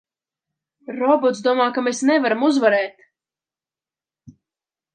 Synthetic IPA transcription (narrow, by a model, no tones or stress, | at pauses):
ɾɔbɔt̪sd̪uɔmaːkamesnɛvaɾamuzvaɾɛːt̪